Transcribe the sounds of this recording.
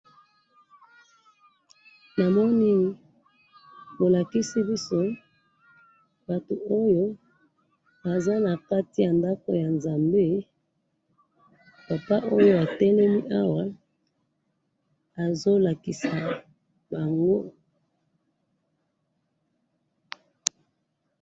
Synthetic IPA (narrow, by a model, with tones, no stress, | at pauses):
na˨mɔ˦ni˦ | bo˨la˨ki˦si˦bi˦so˦ | ba˨to˨o˦jo˦ | ba˨za˦na˨ka˦ti˦ja˨nda˦ko̰˨ja˨nza˨mbe˦ | pa˨pa˦ʔo˦jo˦a˨tɛ˦lɛ˦mi˦ʔa˦wa˦ | a˨zo˦la˨ki˨sa˨ | ba˨ŋɡo˦